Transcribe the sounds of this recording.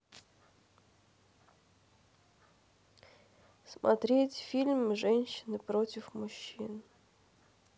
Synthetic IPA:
smʔɐ̰t̪ɾʲetʲfʲilʲmʐɛnʲɕːɪnɨpɾotʲɪfmʊɕːin

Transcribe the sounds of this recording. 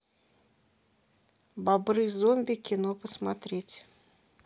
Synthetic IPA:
babɾɨzomʲbʲɪkʲɪnopəsmat̪ɾʲetʲ

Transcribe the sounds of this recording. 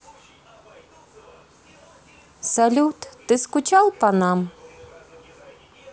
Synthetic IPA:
salʲut̪t̪ɨskʊt͡ʃalˠpanam

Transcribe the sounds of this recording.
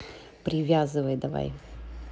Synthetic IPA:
pɾʲɪvʲazɨvəjd̪ɐva̰j

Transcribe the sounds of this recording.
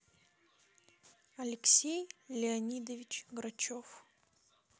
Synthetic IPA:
ɐlʲɪksʲejlʲɪɐnʲid̪əvʲɪt͡ɕɡɾɐt͡ɕof

